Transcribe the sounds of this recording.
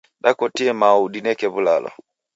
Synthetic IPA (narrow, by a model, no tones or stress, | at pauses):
ɗakɔtiɛmaudinɛkɛβulalɔ̰